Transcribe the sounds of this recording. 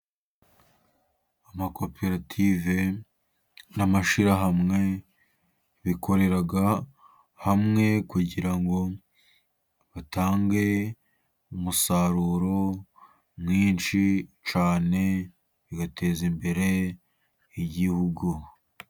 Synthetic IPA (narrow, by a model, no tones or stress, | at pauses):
amako̞peɾatʰive̞ | namaʃiɾaɦamŋe̞ | βikʰo̞ɾe̞ɾaɡa | hamŋe̞kuɟiɾaŋɡo̞ | βataːŋɡe̞ | umusaɾuɾo̞ | mŋiːnʃit͡ʃaːne̞ | βiɡatʰe̞zimbe̞ɾe̞ | iɟihuɡu